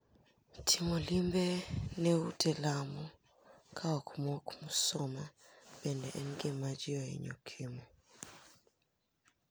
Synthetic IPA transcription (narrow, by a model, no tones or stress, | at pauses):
tʰimolimbenɛutʰɛlamɔ | kʰaɔkmɔkmusɔmabɛndɛʔɛnɡɪmad͡ʒɪɔɛ̰ɲo̰kʰimɔ